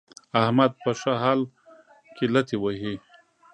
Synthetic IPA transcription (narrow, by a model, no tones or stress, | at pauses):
ahmad̪̚pəʂaɦal | kilɐt̪ʰiwaɦi